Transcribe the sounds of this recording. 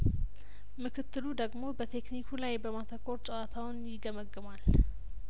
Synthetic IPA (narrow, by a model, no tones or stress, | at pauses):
mɨkʰɨt̪ːɨlud̪əɡmo̞bət̪ʰe̞knikʰulajbəmat̪ʰəkʰo̞ɾt͡ʃʼəwat̪ʰawʊnjɪɡəməɡːɨmal